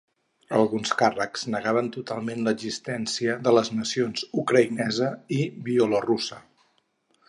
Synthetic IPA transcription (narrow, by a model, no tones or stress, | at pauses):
əlˠɣunskarəkz̥nəɣaβənt̪ut̪alˠmenləɡzist̪ɛnsiəðələznəsionzukɾəinɛzəiβiolorusə